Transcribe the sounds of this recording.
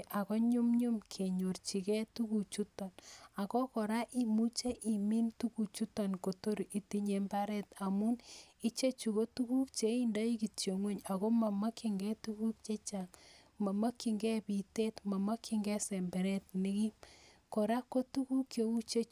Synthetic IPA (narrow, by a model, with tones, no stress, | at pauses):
ʔa˨kɔ˦ɲu˦mɲu˦mkʰe˨ɲo˨rt͡ʃi˨kɛ˦tu˦ku˨t͡ʃu˦tɔ˨na˨kɔ˦kɔ˨ɾa˦ʔi˦mu˦t͡ʃe˦ʔi˨mi˦ntu˦ku˨t͡ʃu˦tɔ˨nko˨to˦ɾʔi˨ti˦ɲe˨mba˦ɾɛ˦ta˨mu˦ni˦t͡ʃe˦t͡ʃu˨ko˦tu˦ku˦k̚t͡ʃe˦i˦ndɔ˦i˦ki˨tjo˨ŋwe˦ɲa˨ko˦ma˨ma˦ki˨ŋɡɛ˦tu˦ku˦k̚t͡ʃe˦t͡ʃa˨ŋ | ma˨ma˦ki˨ŋɡɛ˦pi˨te˦tma˨ma˦kʰi˨ŋɡɛ˦sɛ˨mbɛ˨ɾɛ˦t̚ni˦ki˦m | kɔ˨ɾa˦kːo˦tu˦ku˦kjo˦u˦t͡ʃe˦